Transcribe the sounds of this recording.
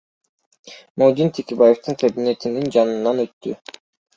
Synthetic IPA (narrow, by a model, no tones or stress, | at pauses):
mowd̪int̪ʰekʲebaje̞ft̪ɯŋkʰabine̞t̪inind͡ʒɑnɯnːɑnø̞t̪ːy